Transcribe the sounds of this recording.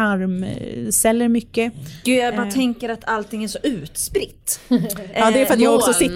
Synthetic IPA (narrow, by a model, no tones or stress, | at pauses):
aɾmsɛlːəɾmʏkːəɡ̥ʉ̟ːjabɑːɾt̪ʰɛŋkəɾat̪ʰalt̪ɪŋːæʂɔʔʉ̟ːt̪spɾɪt̪ːɑːd̪ɛːɾfɾat̪jɑːɡɔksɔsɪt̪ː